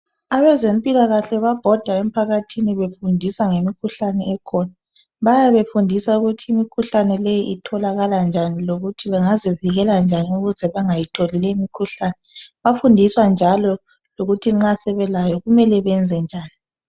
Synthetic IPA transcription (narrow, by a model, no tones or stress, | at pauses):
aβɛzempʼilaɣaɬɛβab̥ʱɔd̥ʱaem̩pʰaɣatʰiniβefundʱisaŋemikʰuɬanɛɛkʰɔna | βajaβefundʱisauɣutʰiːmikʰuɬanɛlɛjiʔitʰɔlaɣaland͡ʒʱaniloɣutʰiβɛŋaziviɣɛland͡ʒʱaniuɣuzɛβaŋajitʰolilɛimikʰuɬaːnɛβafundʱiswand͡ʒʱalɔ | loɣutʰiŋ͡ǁasɛβɛlajɔɣumɛlɛβɛnd͡zʱɛnd͡ʒʱaːni